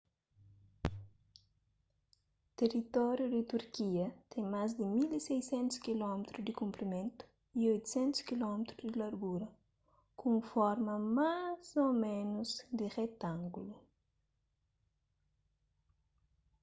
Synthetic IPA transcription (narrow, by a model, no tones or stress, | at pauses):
t̪erit̪ɔɾjud̪it̪uɾkiɐt̪ʰɛ̃ŋmazd̪imilisejsẽnt̪u̥skilɔmet̪ɾud̪ɪkũmpɾimẽnt̪u̥ | iojt̪u̥sẽnt̪u̥skilɔmet̪ɾuzd̪ilaɾɡuɾɐ | kũfɔɾmɐmazomẽnuzd̪iret̪ãŋɡulu